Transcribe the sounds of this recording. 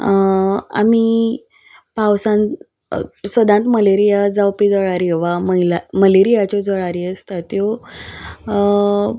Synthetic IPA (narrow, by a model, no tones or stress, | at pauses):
a̰mi | pawsãn | səd̪ãnt̪məleɾijad͡zawpid͡zəɭaɾiʋaməɦilaməleɾijat͡ɕɔd͡zəɭaɾiəst̪at̪jɔ